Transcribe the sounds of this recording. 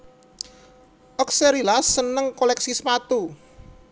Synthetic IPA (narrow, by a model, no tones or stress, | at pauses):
ʔɔkseɾilasːənəŋkolɛksispat̪u